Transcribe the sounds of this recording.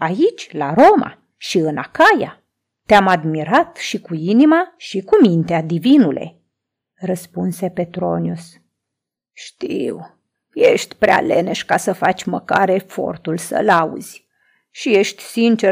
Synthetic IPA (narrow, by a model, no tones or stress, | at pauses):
ait͡ʃʲlaɾo̞ma̰ | ʃiɨnakaja̰ | t̪eamad̪miɾat̪ʃikuinimaʃikumint̪ead̪ivinulʔe̞̰ | rəspunse̞pe̞t̪ɾo̞njus | ʃt̪iw | jeʃt̪ʲpɾea̰leneʃkasəfat͡ʃʲməkaɾe̞fo̞̰rt̪ulsə̰laṵz̥ʲ | ʃije̞ʃt̪ʲsint͡ʃe